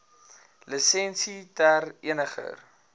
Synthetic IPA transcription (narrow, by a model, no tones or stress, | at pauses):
ləsɛnsitærḭənəχə̰r